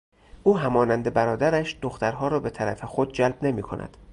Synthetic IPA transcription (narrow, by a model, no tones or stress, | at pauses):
ʔuːɦæmɒːnænd̪e̞bæɾɒːd̪æɾæʃd̪̥oxt̪æɾɦɒːɾɒːbe̞t̪ʰæɾæfe̞xo̞d̪̚d͡ʒælb̚ne̞miːkʰo̞̰nʔæ̰d̪̥